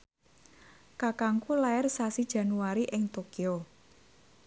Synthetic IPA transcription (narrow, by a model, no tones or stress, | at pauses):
kakaŋkulaɪrsasid̥ʒ̥ä̤nuaɾiʔɪŋt̪okio